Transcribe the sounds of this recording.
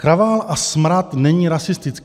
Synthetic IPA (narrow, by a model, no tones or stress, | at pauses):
kɾavaːlʔasmɾat̪nɛɲiːɾasɪst̪ɪt͡sk